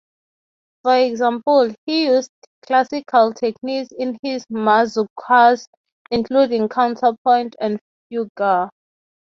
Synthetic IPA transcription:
fɔɛɡzãmpɔlhijusd | kʰlasikʰaltʰɛkniksĩnhizmazukʰaz | ĩŋkʰludĩŋkʰãwntʰapʰɔ̃j̃ntʰɛ̃nd | fjuɡa

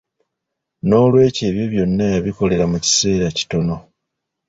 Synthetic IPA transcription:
no̞ːlwe̞ːce̞ːβjo̞βjo̞nːajaβiko̞le̞ɾamuci̥se̞ːɾaci̥to̞no̞

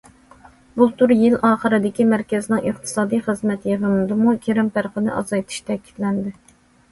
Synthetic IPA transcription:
but̪ʰuɾjɪlɑːχəɾɨd̪ɪkʲimæɾkʲɛzɪnɪŋəχt̪ʰɨ̥sɑːd̪ijχəzmɛt̪jeʁnɨd̪ɨmukʲʰeɾɪmpæɾqənɨ̰ʔɑ̰zɑjt̪ʰɨ̥ʃt̪ʰɛkʲʰi̥t̪lɛnd̪ɪ

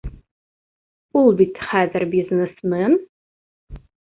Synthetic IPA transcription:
ʊlˠbitʰɨ̥χaːdɐrbiːznɨsmɨn

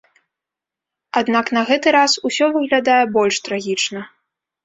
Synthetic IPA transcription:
ad̪naknɐɣɛt̪ɨɾasusʲɔvɨɣlʲad̪ajɛbɔlʲʂt̪ɾaɣʲit͡ʂnɐ

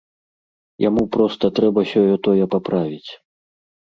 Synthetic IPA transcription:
ja̰mupɾɔst̪ɐt̪ɾɛbɐsʲɔjɔt̪ɔjɛpapɾavʲit͡sʲ

